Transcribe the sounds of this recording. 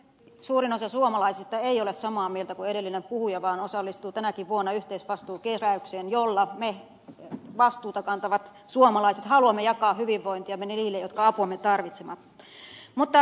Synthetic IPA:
suːrinosɑsuomɑlɑisist̪ɑeiolessɑmɑːmielt̪ækueɾelːinempuhujɑʋɑːnosɑlːist̪uːt̪ænækiʋʋuonːɑyht̪eisʋɑst̪uːkeræykseːnjolːɑme | ʋɑst̪uːt̪ɑkɑnt̪ɑʋɑt̪ | suomɑlɑiset̪hɑluɑmːejɑkɑːhyʋiʋːoint̪iɑmːeneniːlːejot̪kɑɑpuɑmːet̪ɑrʋit̪semɑt̪ | mut̪ːɑ

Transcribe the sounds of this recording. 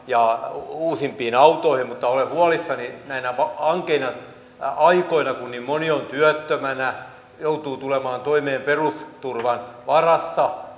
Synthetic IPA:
jɑuːsimpiːnɑut̪oihimmut̪ːɑolehuɑlisːɑninæinæʋɑɑŋkeinɑ | ɑikoinɑkunnimmoniont̪yœt̪ːømænæ | jout̪uːt̪ulemɑːnt̪oimeːmperust̪urʋɑnʋɑrɑsːɑ

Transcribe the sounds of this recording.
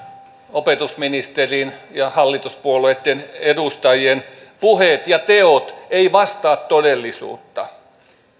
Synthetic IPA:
opet̪usminist̪erinjɑhɑlːit̪uspuoloeˑt̪ːenedust̪ɑjienpuhet̪jɑt̪eot̪eiʋɑst̪ɑːt̪todelːisṵːt̪ːɑ

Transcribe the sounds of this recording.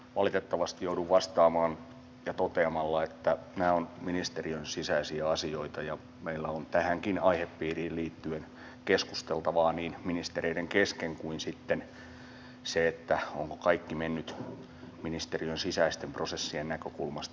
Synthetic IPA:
ʋɑlit̪et̪ːɑʋɑst̪ijouduʋʋɑst̪ɑːmɑːn | jɑt̪ot̪eɑmɑlːɑet̪ːænæːonminist̪eriønsisæisiæɑsioit̪ɑjɑ | meilːæont̪æhæŋkinɑihepːiːriːlliːt̪ːyen | kesku̥st̪elt̪ɑʋɑːniːnminist̪ereideŋkeskeŋkuinsit̪ːen | seet̪ːæo̰ŋko̥kɑikːimenːyt̪ | minist̪eriønsisæist̪emprosesːiennækøkulmɑst̪

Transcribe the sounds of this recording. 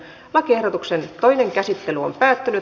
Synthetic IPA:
ʋɑkehɾot̪uksent̪oineŋkæsit̪ːelyompæːt̪ːyny

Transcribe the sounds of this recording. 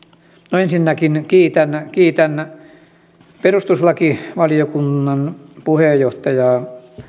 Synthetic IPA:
noensinːækinkiːt̪ænkiːt̪æn | perust̪uslɑkiʋɑlijokunːɑnpuhejjoht̪ɑjɑː

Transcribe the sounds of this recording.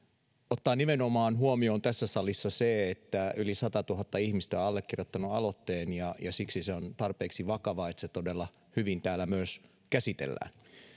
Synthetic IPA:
ot̪ːɑːnimenomɑːnɦuomioːnt̪æsːæsɑlisːɑseet̪ːæylisɑt̪ɑt̪uɦɑt̪ːɑihmist̪æɑlːekːirjot̪ːɑnuɑlot̪ːeːnjɑjɑsiksiseont̪ɑrpeːksiʋɑkɑʋɑet̪set̪odelːɑ | hyʋint̪æːlːˑæmyøs | kæsit̪ḛlːæ̰ːn

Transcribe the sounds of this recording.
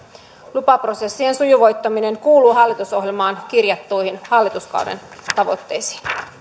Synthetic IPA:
lupɑpro̞se̞sːie̞nsujuʋo̞jt̪ːɑmine̞ŋkuːluːɦɑlːit̪uso̞ɦjelmɑːnkirjɑt̪ːujhinhɑlːit̪uskɑ̰wdḛnt̪ɑʋo̞̰t̪ːe̞jsi̥ːn

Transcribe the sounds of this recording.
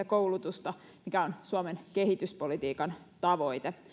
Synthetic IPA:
ækoulut̪ust̪ɑ | mikæonsuomenkeɦit̪yspolit̪iːkɑn | t̪ɑʋo̞it̪e

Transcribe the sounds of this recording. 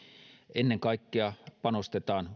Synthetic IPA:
enːeŋkɑˑikːeɑpɑnost̪et̪ɑːn

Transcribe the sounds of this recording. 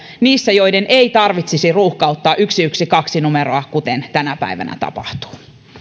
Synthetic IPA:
niːsːæjo̞idenʔeit̪ɑrʋit̪sisiruːhkɑut̪ːɑːʔyksiyksikɑksinumeɾoɑkut̪ent̪ænæpæ̰iʋæ̰næ̰t̪ɑ̰pɑ̰ht̪u̥ː

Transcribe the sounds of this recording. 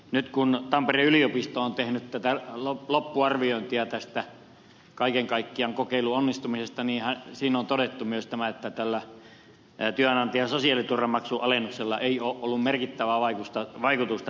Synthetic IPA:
nyt̪kunt̪ɑmpereyliopist̪oont̪ehnyt̪t̪æt̪ælolopːuɑrʋioˑint̪iɑt̪æst̪æ | kɑikeŋkɑikːiɑŋkokeiluonːist̪umisest̪ɑniːhæsiːnont̪odet̪ːumyøst̪æmæet̪ːæt̪ælːæ | t̪yønɑnt̪iɑsosiɑlːˑit̪urɑmɑksuʔɑlenukselːɑʔeˑioːʔʔolːummerkit̪ːæʋæʋɑikust̪ɑʋɑikut̪ust̪ɑ

